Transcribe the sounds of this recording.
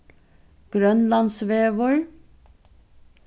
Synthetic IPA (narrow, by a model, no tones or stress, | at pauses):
ɡ̥ɾœnlɑnsʋeːʋɔɹ